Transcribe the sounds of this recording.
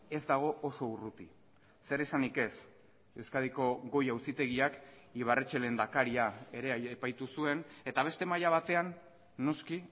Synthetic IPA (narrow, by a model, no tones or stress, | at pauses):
e̞zd̪aɣ̞o̞ʔoso̞urut̪i | se̞ɾesanike̞s | eskaðiko̞ɣo̞jawsit̪e̞ɣiak | iβ̞aret͡ʃe̞le̞nd̪akaɾiae̞ɾe̞ːpajt̪usue̞ne̞t̪aβ̞e̞st̪e̞majaβ̞at̪e̞anː | o̞ski